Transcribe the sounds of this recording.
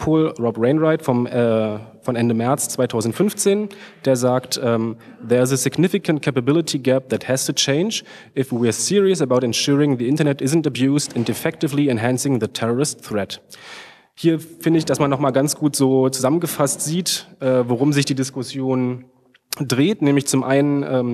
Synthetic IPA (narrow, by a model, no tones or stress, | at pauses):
pʰɔːlʁɔbʁẽɪnʁaɪtfɔm | fɔnʔɛndəmɛɐt͡st͡sv̥aɪtʰaʊzn̩tfʏnft͡seːnd̥eːɐzaːktʔɛːmðɛɐɪzəsɪɡnɪfɪkʰə̃nt̚kʰepəbɪlɪtʰiɡæp̚ðæthɛz̥tʰut͡ʃʰẽɪ̃nd͡ʒ | ʔɪfwiɐsɪɹiəs̬əbaʊtɛnʃuːɹɪ̃ŋðiɪ̃ntɐnɛtɪzəntəbjuːztɛ̃ntɪfɛk̚tɪvliɛ̃nɦæ̃nsɪ̃ŋðətʰɛʁɔʁɪst̚θɹɛt | hiːɐfɪndəɪçd̥asmanːɔχmaːlɡant͡sɡ̥uːtz̥oːt͡suzamənɡəfastz̥iːtʔɛːvaʁʊmzɪçd̥iːdɪskʊsjoːn | dʁeːtnɛːmlɪçt͡sʊmʔaɪnənʔɛːm